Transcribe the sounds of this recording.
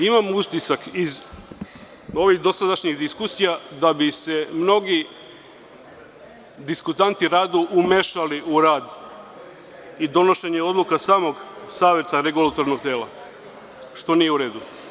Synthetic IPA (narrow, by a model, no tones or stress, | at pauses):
imamust̪isakiz | o̞ʋixd̪o̞sad̪aʃɲiɣd̪iskusijad̪abise̞mno̞ɡi | d̪iskut̪ant̪iɾaːd̪uʔumeʃaliʔuɾaːd̪ | id̪o̞no̞ʃeɲeo̞d̪lˠukasaːmo̞ɡsaːʋjet̪aɾe̞ɡulˠat̪oɾnoɡ̚t̪eːlˠa̰ | ʃt̪o̞nije̞uɾe̞ːd̪u